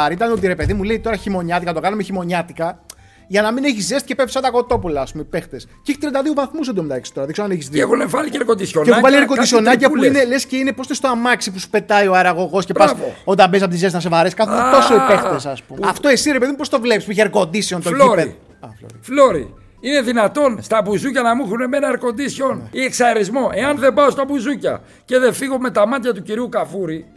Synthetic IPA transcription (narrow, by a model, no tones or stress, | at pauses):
ɐɾiit̪ɐnot̪iɾe̞pe̞ðimuleit̪o̞ɾɐçimo̞ɲɐt̪ikɐt̪o̞kɐnomeçimo̞ɲɐt̪ikɐ | ʝɐnɐmineçizðest̪icepefisɐt̪ɐko̞t̪o̞pulɐːspumeipe̞xt̪esceiçit̪ɾɐnd̪ɐðiovɐθmusd̪omt̪ɐeksi̥t̪o̞ɾɐðiksoɐneçizðieɣonevɐlieɾkond̪isoemuvɐlieɾkod̪iso̞nɐcɐpuinelesceinepost̪est̪oamɐksipusu̥pe̞t̪ɐioɐɾɐɣo̞ɣo̞sce̞pɐsot̪ɐmbes̬ɐpoizesnɐs̬e̞vɐɾeskɐθunt̪o̞soipext̪esɐspumɐft̪o̞e̞siɾepe̞ðimupo̞st̪o̞vle̞pispuiçeɾko̞nd̪isio̞nt̪oiɾeð | ɐfloɾfloɾḭ | ineðinɐt̪o̞nst̪ɐbuzucɐnɐmuxunemenɐeɾko̞nd̪isçonieksɐɾizmo̞ʔe̞ɐnðebɐst̪oɐbuzucɐ̰ | ce̞ðefiɣo̞me̞t̪ɐmɐt̪çɐt̪uciɾiukɐfuɾi